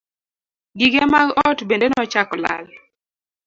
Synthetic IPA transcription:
ɡiɡemaɡɔtbendenɔt͡ʃakɔla̰l

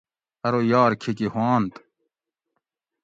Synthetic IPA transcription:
ɐɾojaːɾkʰikihwaːnt̪

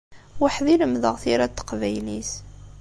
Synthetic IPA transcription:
wəħðiləmðəʁθiɾæt̪ːə̥qvæjlis

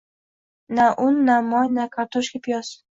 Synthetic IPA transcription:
naʔʊnːamɒjnakʰaɾt̪ʰɔʃkʲipjɔs

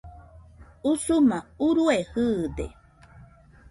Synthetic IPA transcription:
usumãuɾuehɯd̪ḛ

